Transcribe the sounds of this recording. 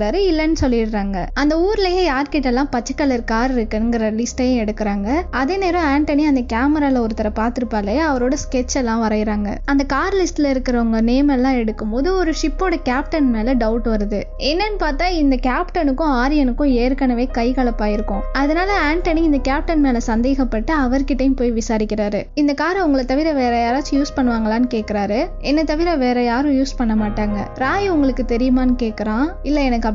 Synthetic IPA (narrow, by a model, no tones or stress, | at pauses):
aːɾɯɪlːɐnːɯsɔlːɪʈɾaːŋɡɐɐnd̪ɐuːɾɪlɐjeːjaːɾkɪʈːɐlːãːpɐt͡ʃːɐ̥kːɐɭɪɾkaːɾɪɾɯkːɯnɯŋɡɪɾɐlɪsʈɐjʊ̃ɛɽɯkːɪɾaːŋɡɐɐðeːneːɾɐ̃aːɳʈɐniɐnd̪ɐkaːmɐɾaːlɐɔɾɯt̪ɐɾɐpaːɾt̪ɯɾɯpːaːlɐjeɐʋɐɾoːɽɐskɛt͡ʃːɛlːãːʋɐɾɐjɪɾaːŋɡɐ̰ɐnd̪ɐkaːɾlɪsʈɪlɐɪɾɯkːɪɾɐʋɐŋɡɐneːmɛlːãːɛɽɯkːɯmboːðɯɔɾɯʂɪpːoːɽɐkaːp̚ʈɐnmeːlɐɖɐʊʈːɯʋɐɾɐðɯ | ɛnːɐnɯpaːɾt̪ãːɪnd̪ɐkaːpʈɐnɯkːʊ̃aːɾɪjɐnɯkːʊ̃eːɾkɐnɐʋeːkɐɪkɐɭɐpːaːɪɾɯkːʊ̃ɐðɐnaːlɐaːɳʈɐnɪɪnd̪ɐkaːp̚ʈɐnmeːlɐsɐnd̪eːɣɐpːɐʈːɯɐʋɐɾkːɪʈːɐjmpoːjʋɪsaːɾɪkʲːɪɾaːɾɯɪnd̪ɐkaːɾʊŋɡɐɭɐt̪ɐʋɪɾɐʋeːɾɐjaːɾaːt͡ʃːɯjuːspɐɳːɯʋaːŋɡɐlaːnɯkeːʈkːɪɾaːɾɯ | ɛnːɐt̪ɐʋɪɾɐʋeːɾɐjaːɾʊ̃juːspɐɳːɐmaːʈːaːŋɡɐ̰ɾaːjʊŋɡɐɭɯkːɯt̪ɛɾɪjɯmaːnɯkeːʈkːɪɾãːɪlːɐɛnɐkːɯɐp